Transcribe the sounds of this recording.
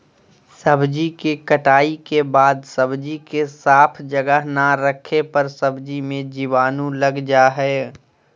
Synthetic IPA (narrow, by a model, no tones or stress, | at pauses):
səbd͡ʒikekəʈaːikebaːd̪səbd͡ʒikesaːpʰd͡ʒəɡəɦnaɾəkʰepɐɾsəbd͡ʒimẽd͡ʒiʋaːnũləɡd͡ʒaɦɛː